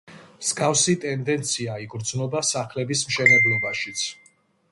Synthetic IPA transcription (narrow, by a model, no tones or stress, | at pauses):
msɡafsit̪ʼɛnd̪ɛnt̪sʰiaiɡɾd̪znɔbasaχlɛbismʃɛnɛblˠɔbaʃit̪sʰ